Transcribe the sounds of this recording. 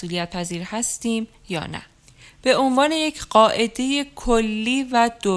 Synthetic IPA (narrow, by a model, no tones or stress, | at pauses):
sʔuːlijæt̪̚pʰæziːɾhæst̪iːm | jɒ̰ːnæ̰ | b̥e̞o̞nvɒːne̞je̞cʰɢ̥ɒːʔe̞d̪e̞je̞kʰolːiːvæd̪̥o